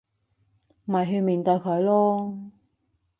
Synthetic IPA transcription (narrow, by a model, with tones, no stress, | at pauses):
m̩˨ɐ˨˩jɦe˧miː˨˩nt̪ɔ˧kʰɵ˨˧ɥlɔː˥